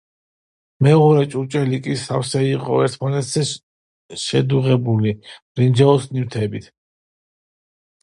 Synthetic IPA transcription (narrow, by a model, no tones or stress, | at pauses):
mɛɔɾɛt͡ʃʼut͡ʃʼɛlikʼisafsɛiqʼɔɛɾt̪ʰmanɛt̪ʰz̥ɛ | ʃɛd̪uʁɛbuli̥ | ɾind͡ʒɛɔsniwt̪ʰɛbit̪ʰ